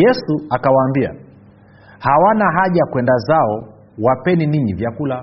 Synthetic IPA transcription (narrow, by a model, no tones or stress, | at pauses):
jɛsuakawaːmbia̰ | hawanaɦaʄakwɛndazaɔ | wapɛniniɲivjakula